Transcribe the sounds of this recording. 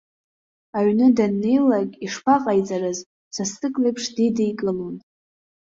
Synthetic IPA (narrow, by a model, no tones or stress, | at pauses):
aɥnɨdanːe̞jlakʲʼiʂpʰaqʼajt͡sʼaɾɨz | sasɨkʼlejpʰʂdijdejkʼɨlon